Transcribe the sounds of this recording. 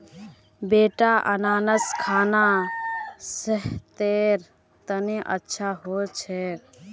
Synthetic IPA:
beʈaʔə̰naːnəskʰaːna | səɦt̪eɾ | t̪əneʔə̰tːʃʰaɦot͡ʃʰɛ

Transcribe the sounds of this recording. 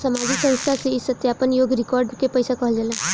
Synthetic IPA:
səmad͡ziksə̃nst̪ʰaseisət̪japənjoɡɾikɔɾɖkepəjsakʌɦəld͡ʒʌlə

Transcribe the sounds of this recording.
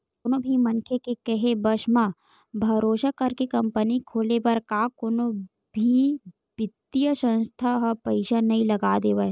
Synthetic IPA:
konobʱimɐnkʰekekɐɦebɐʃma | bʱɐɾoːʃakɐɾkekɐ̃mpənikʰoːlebɐɾkakoːnõ | bʱi | bɪt̪ːijəsə̃nst̪ʰaɦɐpɐɪʃanɐɦĩlɐɡaːd̪eːʋa

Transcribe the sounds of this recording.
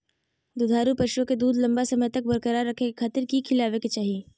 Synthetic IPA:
d̪ud̪ʱaːɾupɐʃuõked̪uːd̪lɐ̃mbasɐməjt̪ɐk̚bɐɾkəɾaɾːɐkʰekekʰaːt̪ɪɾkikʰɪlaːʋeket͡ʃaːɦie

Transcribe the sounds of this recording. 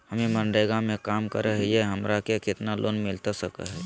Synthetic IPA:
hɐmẽmə̃ɳɖəɡamẽkaːmkəɾəɦejeɦɐmɾakekɪt̪nalʔo̰ːnmɪlt̪asɐka̰ɦɛː

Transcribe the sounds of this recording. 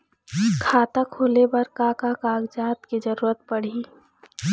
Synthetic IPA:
kʰaːt̪akʰoːlebəɾkaːkakaːɡd͡ʒaːt̪ked͡ʒəɾuːɾət̪̚pəɽ̤i

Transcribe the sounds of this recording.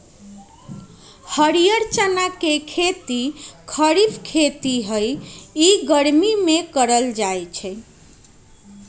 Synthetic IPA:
həɾijəɾt͡ʃənakekʰet̪ikʰəɾipʰkʰet̪iɦəjiɡəɾmimekəɾəld͡ʒajt͡ʃʰɛ

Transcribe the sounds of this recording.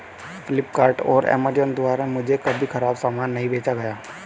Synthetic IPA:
fɪlɪpkaːɾʈɔːɾɛ̰ːmad͡ʒənd̪ʊʋaːɾamʊ̃d͡ʒʱekɐbʱixɐɾaːbsaːmaːnːɐɦĩbʱeːt͡ʃaɡɐjaː

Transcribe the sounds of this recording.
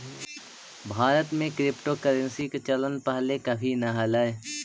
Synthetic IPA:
bʱaːɾət̪mẽkɾɪpʈokəɾə̃nsiket͡ʃələnpəɦlekɐbʱinɐɦɐlaːe

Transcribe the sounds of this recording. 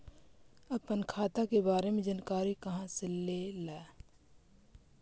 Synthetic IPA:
ɐbpɐnkʰaːt̪akebaːɾemẽd͡ʒɐnkaːɾikɐɦãsɪlːelɛː

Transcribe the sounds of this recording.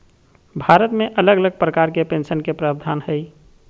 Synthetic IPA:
bʱaɾət̪meʔələɡələɡ̚pɾəkaɾkepensənkepɾabd̪ʱaːnhəj

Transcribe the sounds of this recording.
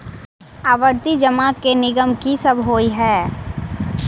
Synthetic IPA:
aːʋəɾt̪id͡ʒəmaːkːenɪɡəmkisɐbɦoːiɦɛː

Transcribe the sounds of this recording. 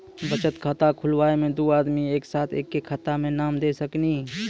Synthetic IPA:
bət͡ʃət̪kʰaːt̪akʰʊlwaːemẽd̪oːaːd̪mieːksaːt̪ʰeːkːekʰːaːt̪amẽnaːmd̪eːsəkni

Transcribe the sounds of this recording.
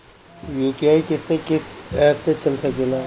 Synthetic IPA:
juːkiaːikɪsekɪsɛːt̪set͡ʃɐlsɐkelaː

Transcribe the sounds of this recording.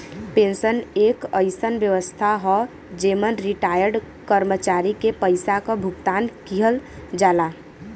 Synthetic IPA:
pẽnsəneːkəɪsənʋjəʋəst̪ʰaɦɔ | d͡ʒeːmənɾiʈaːjəɾɖ | kəɾmət͡ʃaːɾikepəɪsakabʱʊɡt̪aːnkiɦəl | d͡ʒaːlaː

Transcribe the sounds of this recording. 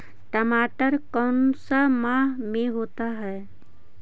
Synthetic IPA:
ʈɐmaːʈəɾkəːnsamãːɦmẽɦoːt̪aɦɛː

